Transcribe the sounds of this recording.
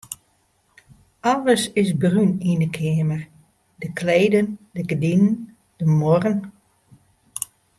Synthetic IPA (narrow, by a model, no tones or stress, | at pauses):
aləsɪsbrynindəkʰɪəmər | dəkʰleːdəndəɡədinən | d̥əmorən